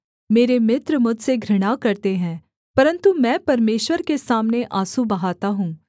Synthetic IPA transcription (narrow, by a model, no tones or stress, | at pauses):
meːɾemɪt̪ɾmʊd͡ʒʱseɡʱɾɪɽ̃akɐɾt̪eɦɛ̃ː | pɐɾə̃nt̪umɛ̃ːpɐɾmeːʃwəɾkesaːmneʔaːsubɐɦaːt̪aɦũː